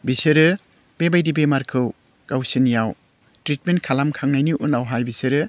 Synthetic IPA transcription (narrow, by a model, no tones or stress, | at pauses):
biseɾɯ | b̥ebajdibemaɾkʰɯw | kawsinjaw | tɾit̚ment̚kʰalamkʰaŋnajniʔunawɦajbiseɾɯ